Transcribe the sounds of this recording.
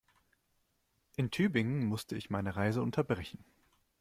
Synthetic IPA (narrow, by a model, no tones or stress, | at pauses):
ʔɪntʰyːbɪŋənmʊstʰəɪçmaɪnəʁaɪzəʊntʰɐbʁɛçn̩